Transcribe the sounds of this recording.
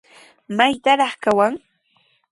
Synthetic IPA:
majt̪aɾɑχkawaŋ

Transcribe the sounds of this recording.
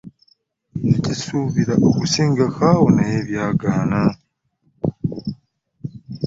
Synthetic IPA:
ecisuβiɾaʔokusiːŋɡakawonajeβjaːɡaːna

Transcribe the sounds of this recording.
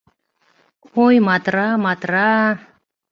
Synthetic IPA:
kojmat̪ɾamat̪ɾa

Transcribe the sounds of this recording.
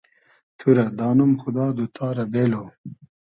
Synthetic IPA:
t̪ʰuɾɐd̪ɑːnumxud̪ɑːd̪ut̪ʰaːɾɐbeːlo

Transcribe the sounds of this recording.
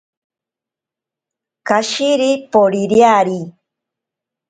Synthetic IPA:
kaʃiɾipoɾiɾjaɾi

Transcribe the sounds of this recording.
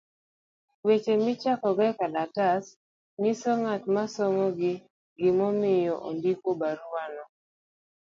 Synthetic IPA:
wet͡ʃemɪt͡ʃakɔɡɛkadatas | misɔŋatmasɔŋɔɡɪ | ɡɪmɔmɪjɔʔo̰ndikobaɾuwanɔ

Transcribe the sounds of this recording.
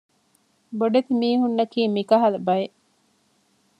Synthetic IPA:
boɖet̪imiːɦunːɐkiːmikɐɦɐlɐbɐjeʔ

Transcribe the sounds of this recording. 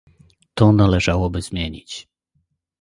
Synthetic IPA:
t̪ɔnalɛʐawɔbɘzmʲjeɲḭt͡ɕ

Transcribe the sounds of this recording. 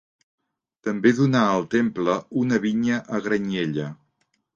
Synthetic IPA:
t̪əmbeðunaəlˠt̪empləunəβiɲəʔəɣɾəɲeʎə

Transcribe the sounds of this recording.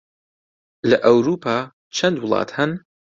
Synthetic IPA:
lɐʔɐwɾuːpʰaː | t͡ʃʰɐnd̪wʊlˠɑ̰ːt̪ʰhɐn

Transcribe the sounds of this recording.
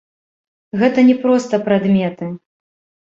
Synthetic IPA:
ɣɛt̪ɐnʲɛpɾɔst̪ɐpɾad̪mʲɛt̪ɨ

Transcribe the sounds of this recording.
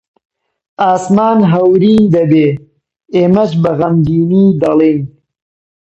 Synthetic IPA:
aːsmaːnɦawɾiːnd̪ɐbe | emɐt͡ʃbɐɣɐmd͡ʒiːnid̪alen

